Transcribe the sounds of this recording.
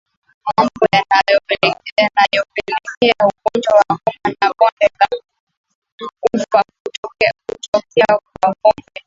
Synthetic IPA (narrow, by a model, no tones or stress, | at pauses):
mambɔjanajɔpɛlɛkɛanajɔpɛlɛkɛaukɔt͡ʃawakɔmanakɔndɛka | kufa | kutɔkɛak̚wakɔmbɛ